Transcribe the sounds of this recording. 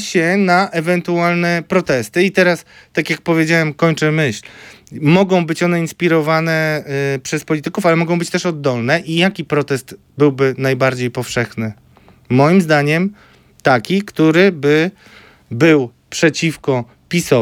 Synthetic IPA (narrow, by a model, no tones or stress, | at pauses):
ɕɛnaʔɛvɛnt̪ualnɛpɾɔt̪ɛst̪ɘit̪ɛɾas | t̪akʲjak̚pɔvʲjed͡ʑawɛmkɔɲt͡ʂɛmɘɕlmɔɡɔ̃w̃bɘt͡ɕɔnɛinspʲiɾɔvanɛpʂɛspɔlʲit̪ɘkufalɛmɔɡɔ̃w̃bɘt͡ɕt̪ɛʂɔd̪ːɔlnɛʔijakʲipɾɔt̪ɛst̪ | bɘwbɘnajbaɾd͡ʑejpɔfʂɛxnɘ | mɔjimzd̪aɲɛm | t̪akʲikt̪uɾɘbɘ | bɘw | pʂɛt͡ɕifkɔ | pʲisɔ